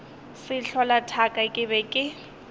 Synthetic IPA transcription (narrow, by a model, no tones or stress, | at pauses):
sɪɬʰɔlatʰakʼakʼɪβɛkʼɪ